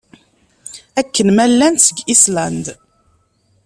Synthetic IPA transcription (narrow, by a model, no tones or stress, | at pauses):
ækːənmælːænsəɡislænd̪